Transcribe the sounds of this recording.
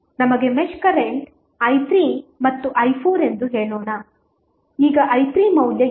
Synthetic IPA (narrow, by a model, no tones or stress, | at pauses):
nɐmɐɡe̞meʃkɐɾeɳʈ | ɐjt̪ɾiːmɐt̪ːuʔɐjpʰuːɾe̞nd̪uɦeːɭoːɳɐ | iːɡɐʔɐjt̪ɾiːmɐwljɐ